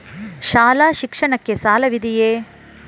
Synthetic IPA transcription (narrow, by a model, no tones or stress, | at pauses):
ʃaːlaːʃikʂɐɳɐkːesaːlɐʋid̪ijeː